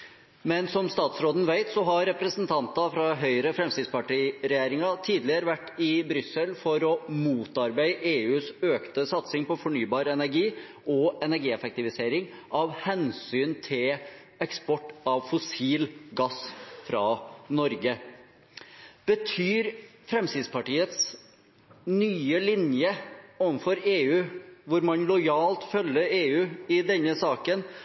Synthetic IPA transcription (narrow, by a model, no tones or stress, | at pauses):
mɛnsɔmst̪ɑːt̪sɾoːd̪n̩ʋæɪt̪sɔɦɑɾɛpɾəsənt̪ʰɑnt̪ɑfɾɑɦœʏɾəfɾɛmst̪ɪd̪spɑʈiːɾɛjeːɾɪŋɑt̪ʰiːd̪lɪəɾəʋæʈːɪbɾʏsːəlfɔɾɔmuːt̪ɑɾbæɪʔeːʉːsøːkt̪əsɑt̪sɪŋpɔfɔɳyːbɑːɾɛnæɾɡiː | ɔɛnæɾɡiːɛfɛk̚t̪ɪʋɪseːɾɪŋ | ʔɑʋhɛnsyːnt̪ʰɪl | ɛkspɔʈːɑʋfʊsiːlɡɑsfɾɑnɔɾɡə | b̥ət̪ʰyːɾfɾɛmsɪːd̪spɑʈiːət̪s | nyːəlɪnjəɔːʋnfɔɾeːʉːʋʊɾmɑnlɔjɑːlt̪fœlːəeːʉːɪd̪ɛnːəsɑːkən